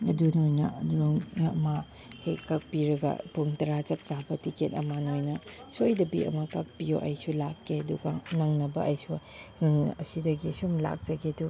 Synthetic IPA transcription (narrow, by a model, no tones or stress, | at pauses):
ɐdunojnɐɐduoŋɐma | hekːɐk̚piɾɐɡɐ̰puŋtɐɾat͡ʃɐp̚t͡ʃabɐtiketɐ̰manojnɐsojdɐbḭɐ̰mɐkɐk̚pijoʔɐjsulakːeɐduɡɐnɐŋnɐbɐʔɐjsunŋɐsidɐɡiɐsumla̰k̚t͡ʃɐɡedu